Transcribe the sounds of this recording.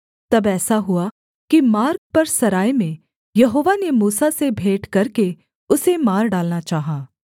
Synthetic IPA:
t̪ɐbɛːsaɦʊa | kimaːɾk̚pɐɾsɐɾaːjmẽ | jɐɦoːʋanemuːsasebʱeːʈkɐɾke | ʊsemaːɾɖaːlnat͡ʃaːɦaː

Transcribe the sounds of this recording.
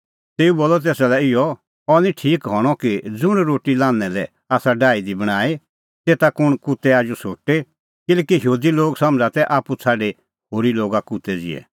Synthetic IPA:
t̪eːuboːlːɔt̪̬eːsalɛɪjɔ | ɔnĩʈʰiːkɦɔɽ̃ɔkid͡zʊɽ̃ɾoːʈilãːnɛ̃lɛ | aːsaɖaːid̪ibɐɽ̃aːe | t̪eːt̪akʊɽ̃kut̪ɛaːd͡ʒusoːʈe | kɪleːkiɦɦuːd̪iloːɡsɐ̃md͡zat̪ɛʔaːput͡sʰaːɖe | hoːɾiloːɡakut̪ɛd͡zɪ̰ɛ̰

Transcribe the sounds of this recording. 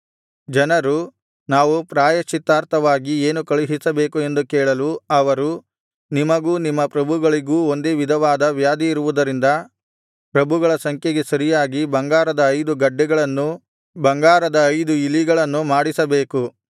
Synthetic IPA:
d͡ʒɐnɐɾu | naːʋupɾaːjɐʃit̪ːaːɾt̪ʰɐʋaːɡieːnukɐɭuɦisɐbe̞ːkue̞nd̪ukɛːɭɐluɐʋɐɾu | nimɐɡuːnimːɐpɾɐbʱuɡɐɭiɡuːo̞nd̪eːʋid̪ʱɐʋaːd̪ɐʋjaːd̪iiɾuʋud̪ɐɾind̪ɐ | pɾɐbʱuɡɐɭɐsɐŋkʰjeɡe̞sɐɾijaːɡibɐŋɡaːɾɐd̪ɐːjd̪uɡɐɖːɛɡɐɭɐnːu | bɐŋɡaːɾɐd̪ɐːjd̪uilːiɡɐɭɐnːumaːɽisɐbeːku

